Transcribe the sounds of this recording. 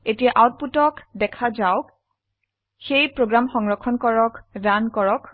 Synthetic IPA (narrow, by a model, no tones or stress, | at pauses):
etijaʔawt̚putɔkdɛkʰazawk | xejpɹoɡɹamxɔŋɹɔkʰɔnkɔɹɔkdankɔɹɔk